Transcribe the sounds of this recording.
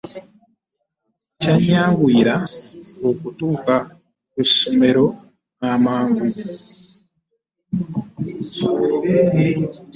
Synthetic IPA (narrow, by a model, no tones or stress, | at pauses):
caɲaːŋɡwuiːɾaokutuːka | kuʃome̞ɾo̞ | namaːŋɡu